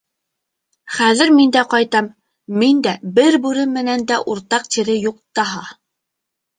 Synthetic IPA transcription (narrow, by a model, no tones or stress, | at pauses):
χæðɘ̆ɾmind̪æqɑjt̪ɑmː | ind̪æbɘɾbʉɾɘmːɘ̆nænd̪æʔuɾt̪ɑq̚t̪iɾɘjuq̚t̪ɑɦɑ